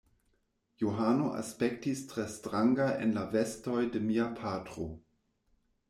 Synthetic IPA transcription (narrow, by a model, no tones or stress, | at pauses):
joɦano̞ʔa̰spe̞k̚tistɾestɾaŋɡaʔḛnlave̞sto̞jde̞miapʰatɾo